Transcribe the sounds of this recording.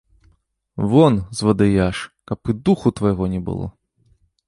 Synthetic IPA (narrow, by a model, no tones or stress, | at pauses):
vɔnzvɐd̪ɨjaʂkɐpɨd̪uxut̪vɐjɣɔnʲɛbɨ̰lˠɔ̰